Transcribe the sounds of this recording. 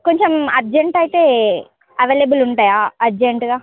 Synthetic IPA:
ko̞ɲt͡ʃemɐɾd͡ʒeɳʈɐjit̪e̞ː | ɐʋeːlebuluɳʈaːjaːɐɾd͡ʒeɳʈɡaː

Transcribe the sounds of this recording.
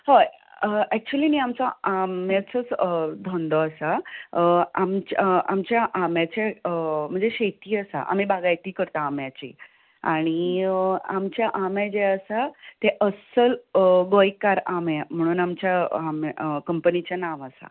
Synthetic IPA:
ho | ɛk̚t͡ɕuəliːniːamt͡saamjat͡sət͡sd̪ʱɔ̃nd̪ɔasa | amt͡ɕamt͡ɕjaʔamjat͡ɕeəm̤əɳd͡zeɕet̪iːəsa̰ʔa̰m̤ibaɡajt̪iːkəɾt̪aːmjat͡ɕḛ | a̰ɽ̃i | amt͡ɕjaʔamẽd͡ʑeəsat̪eʔəsəlɡojkːaɾamem̤əɽ̃uːnamt͡ɕjaamkəmpənit͡ɕjanaʋəsa̰

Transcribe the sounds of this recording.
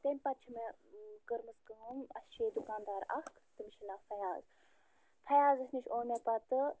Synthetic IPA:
t̪enʲpɐt̪t͡ʃʰimekəɾmɨskɐnɐst͡ʃʰeːd̪ukaːnd̪aːɾɐ̰hkʰt̪ɨmiʃʰinaːfɐjaːz | fʰɐjaːzɐsniʃʰoːnʲepɐt̪ɨ

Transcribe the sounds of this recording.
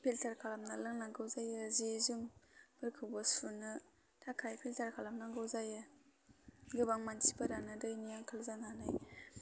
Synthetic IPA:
pʰeltʰaɾkʰalamnalɯŋnaŋɡɯwzajɯzezɯmb̥ɯɾkʰɯwbɯsunɯ | tʰakʰajpʰiltaɾkʰalamnaŋɡɯwzajɯ | ɡɯbaŋmansʰibadanɯdɯjnijaŋkʰalzananaj

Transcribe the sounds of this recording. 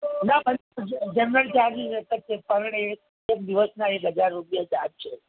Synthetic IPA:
nabʱənd͡ʒənɾəlt͡ʃaɾninet̪əttepəɾɳe | ək̚d̪iʋəsnaekɦəd͡ʒaɾːupjad͡ʒad̪̚t͡ʃʰe

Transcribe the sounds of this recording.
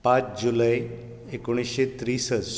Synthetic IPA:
pãt͡sd͡ʑulaj | ekoɽ̃isɕet̪ɾisəd͡z

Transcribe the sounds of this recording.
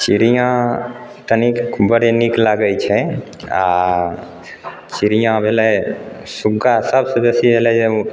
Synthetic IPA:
t͡ʃiɾijãt̪ənikbəɾeniklaɡəjt͡ʃʰɛ | a | t͡ʃiɾijãbʱelɛsuɡasəbsə̃besibʱelɛd͡ʒeu

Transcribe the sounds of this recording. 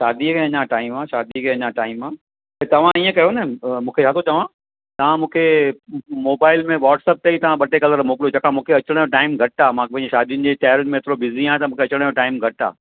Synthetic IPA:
ʃaːd̪ikʰẽɐɲãʈaːɪmaːʃaːd̪ikʰẽɐɲãʈaːɪmãː | pt̪ɐʋ̤ãiə̃kɐjonɐmũːkʰet͡ɕʰaːt̪ʰot͡ɕɐʋ̤ã | t̪ɐʋ̤ãmũːkʰe | moːbaːɪlmẽʋaːʈsɛːp̚t̪ɐit̪ɐʋ̤ãɓɐʈekɐləɾmoːkɪlot͡ɕʰɐkãmũːkʰeɐt͡ɕɽ̃joʈaːɪmɡʱɐʈaːmãkpɐ̃ɪ̃ɲd͡ʑeʃaːd̪ijʊnɪ̆d͡ʑet̪ɛːɾɪnmẽːt̪ɪɾobɪziãːt̪ɐmũːkʰeɐt͡ɕɽ̃joʈaːɪmɡʱɐʈa̰ː

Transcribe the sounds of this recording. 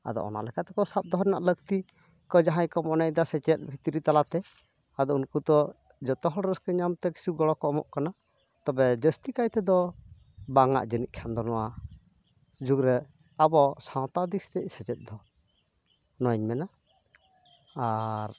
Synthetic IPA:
a̰d̪ɔ̰ʔɔ̰na̰ʔlɛkat̪ɛkɔsap̚d̪ɔɦɾɛna̰ʔləɡt̪i | kɔd͡ʒaɦãjkɔmɔnɛʔd̪asɛt͡ʃɛt̪̚ˀbʱit̪iɾit̪alat̪ɛ | ad̪ɔunkut̪ɔ | d͡ʒɔt̪ɔɦɔɽɾəskɛɲamt̪ɛki̥suɡɔɽɔkɔɔmɔ̰ʔkana | t̪ɔbɛd͡ʒəst̪ikajt̪ɛd̪ɔ | baŋa̰ʔd͡ʒəniʔ̚kʰand̪ɔnɔwa | d͡ʒuɡɾɛ | abɔsaw̃t̪ad̪ikst̪ɛʔ̚sɛt͡ʃɛt̪̚d̪ɔ | nɔɲmɛna | aɾ

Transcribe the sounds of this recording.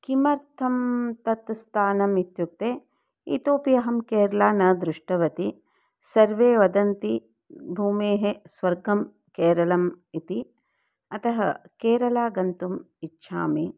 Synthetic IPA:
kimɐɾt̪ʰɐmt̪ɐt̪st̪ʰaːnɐmit̪juk̚t̪eː | ḭt̪oːpijɐɦɐmkeːɾɐlaːnɐd̪ɾuʂʈɐʋɐt̪i | sɐɾʋeːʋɐd̪ɐnt̪i | bʱuːmeːɦesʋɐɾɡɐm | keːɾɐlɐmit̪i | ɐt̪ɐɦɐ̰keːɾɐlaːɡɐnt̪um | itːʃʰa̰ːmi

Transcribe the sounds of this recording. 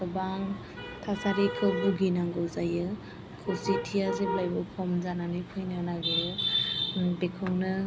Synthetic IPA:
sɔbaŋ | tʰasaɾikʰɯbuɡinaŋɡɔzajɯ | kʰɯsitʰijaziblajbɯpʰɔmzananɯjpʰɯjnɯnaɡɯjɯ | bekʰɯwnɯ

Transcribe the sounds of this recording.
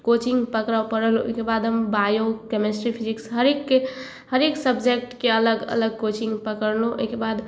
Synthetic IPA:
kot͡ʃiŋɡpəkɾawpəɾəluo̰kebad̪ɦəmbajokemesʈɾipʰiziksɦəɾekːe | həɾeksəbd͡ʒek̚ʈkeələɡə̰ləɡ̚kot͡ʃĩŋɡpəkəɾlõʔo̰jkebad̪

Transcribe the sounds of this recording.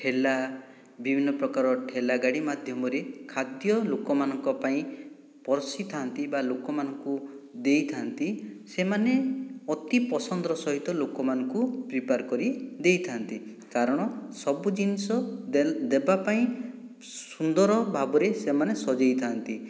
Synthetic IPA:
ʈʰela | bibʱinːɔpɾɔkaɾɔʈʰelaɡaɽimad̪ʱjɔmɔɾekʰad̪jɔlokɔmanɔŋkɔpaĩ | pɔɾɔsit̪ʰaɦnt̪ibalokɔmanɔŋkud̪ejt̪ʰant̪isemaneɔt̪ipɔsɔnd̪ɾɔsɔɦit̪ɔlokɔmanɔŋkupɾipaɾkɔɾid̪ejt̪ʰant̪i | kaɾɔɽ̃ɔsɔbud͡ʒinisɔd̪ebapaĩ | sund̪ɔɾɔbʱabɔɾesemanesɔd͡ʒejt̪ʰant̪i

